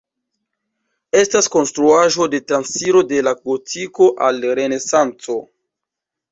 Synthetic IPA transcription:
e̞stasko̞nstɾuaʒo̞de̞tɾansiɾo̞de̞laɡotʰiko̞ʔalɾe̞ne̞sant͡so̞

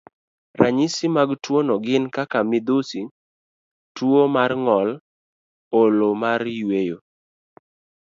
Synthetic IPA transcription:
ɾaɲisimaɡtwonɔɡɪnkakamɪd̪usi | twomarŋɔl | olomaɾjwejo

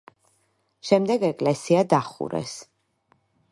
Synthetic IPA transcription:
ʃɛmd̪ɛɡɛkʼlɛsiad̪aχṵɾɛ̰s

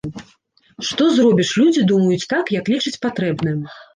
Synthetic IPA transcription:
ʂt̪ɔzɾɔbʲiʂlʲud͡zʲid̪umɐjut͡sʲt̪akjɐklʲit͡ʂɨt͡sʲpat̪ɾɛbnɨ

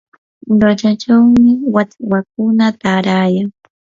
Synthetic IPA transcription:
ʎat͡ʃat͡ʃawmɪwat͡swak̚ʊnat̪aːɾaːjaŋ

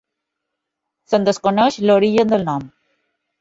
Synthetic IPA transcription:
sənd̪əskonəʃloɾiʒənd̪əlnɔm

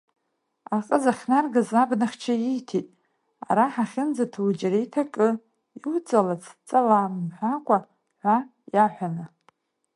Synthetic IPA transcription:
aqʼəzaχʲnarɡazabnaχʲt͡ʃʰajijtʰitʼ | a̰ɾaħaχʲɪnd͡zatʰwd͡ʒaɾijtʰakʼɨ | iwut͡sʼalat͡sʰt͡sʼalamħʷᶣakʷʼa | ħʷa | jaħʷᶣanɨ

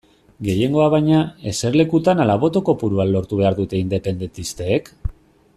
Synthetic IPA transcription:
ɡe̞je̞ŋɡo̞aβajɲae̞se̞ɾle̞kut̪analaβ̞o̞t̪o̞ko̞puɾuanlo̞ɾt̪uβ̞e̞aɾðut̪e̞ind̪e̞pe̞nd̪e̞nt̪ist̪e̞ːk

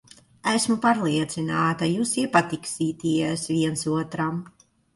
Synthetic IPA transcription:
æsmupaɾlˠiɛt̪sinaːt̪ajuːsipat̪iksiːt̪iɛsviɛnsuɔt̪ɾam

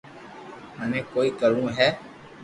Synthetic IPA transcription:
ɦənẽːkoːiːkəɾũːɦɛː

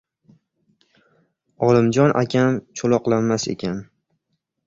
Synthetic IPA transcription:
ɒlˠɪmd͡ʒɒnʔakʲʰamt͡ʃʰolˠɒqlˠanmase̞̰kʲan

